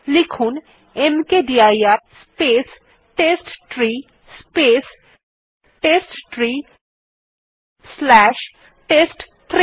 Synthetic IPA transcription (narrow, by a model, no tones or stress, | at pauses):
likʰuːn | emkeɖiajaɾspeːs | ʈesʈʈɾiː | speːs | ʈeːsʈʈɾi | slɛːʃ | ʈeːsʈ | t̪ʰɾ